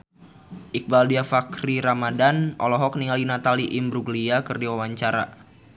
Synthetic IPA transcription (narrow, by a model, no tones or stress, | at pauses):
ʔik̚baldiafakɾiɾamadanʔɔlɔɦɔk̚niŋalinat̪aliʔɪmbɾuɡliakɨrdiwawaɲt͡ʃaɾa̰